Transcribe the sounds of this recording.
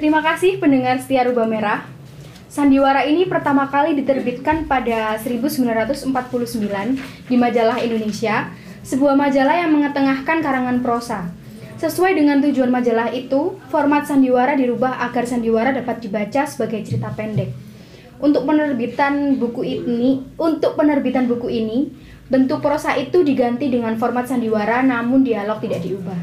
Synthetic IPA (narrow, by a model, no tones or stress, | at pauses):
t̪əɾimakasɪhpəndəŋarsə̥t̪iaɾubahmeɾah | sandiwaɾainipərt̪amakalidit̪ərbit̪̚kanpadasəɾibusəmbilanrat̪ʊsəmpat̪̚puluhsəmbilan | dimad͡ʒalahindonesia | səbuahmad͡ʒalahjaŋməŋət̪əŋahkankaɾaŋanpəɾosa | səsuajdəŋant̪ud͡ʒuanmad͡ʒalahit̪ufɔrmat̪̚sandiwaɾadiɾubahʔaɡarsandiwaɾadapat̪̚dibat͡ʃasə̥baɡajt͡ʃəɾit̪apɛndɛk̚ | unt̪ʊk̚pənərbit̪anbuku | unt̪ʊk̚pənərbit̪anbukuini | bənt̪ʊk̚pəɾosaʔit̪udiɡant̪idəŋanfɔrmat̪̚sandiwaɾanamʊndialɔk̚t̪idaʔdiubah